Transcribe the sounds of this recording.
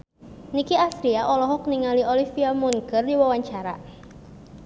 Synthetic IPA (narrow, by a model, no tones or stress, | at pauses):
nikiast̪ɾiaʔɔlɔɦɔk̚niŋaliʔolifiamunɡərdiwawaɲt͡ʃaɾa̰